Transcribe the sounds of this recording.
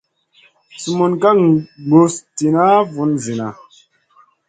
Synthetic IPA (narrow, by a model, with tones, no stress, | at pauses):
su˨mu˨nka˦kɡo˨sti˨na˦vu˨˦nzi˨na˨